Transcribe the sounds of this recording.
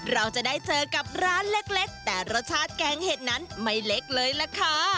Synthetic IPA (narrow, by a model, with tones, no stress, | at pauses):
ɾa˧wt͡ɕa˨˩ʔdaː˥˩jt͡ɕɤː˧ka˨˩p̚ɾaː˦˥nle˦˥k̚le˦˥k̚t̪ɛː˨˩ɾa˧wt͡ɕʰaː˦˥t̪̚kɛː˧ŋheː˨˩t̪̚na˦˥nma˥˩jle˦˥k̚lɤː˧jlɛ˧˥kʰaː˥˩